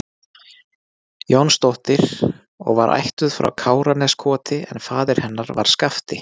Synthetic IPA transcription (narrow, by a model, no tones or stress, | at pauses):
jownst̪owht̪ɪɾ̥ | ɔ̰ɣvaɾʔa̰jht̪ʏðfɾa̰wkʰaːwɾanɛskʰɔːt̪ɪɛ̰nfaːðɪɾ̥hɛnːaɾva̰ɾ̥skaft̪ɪ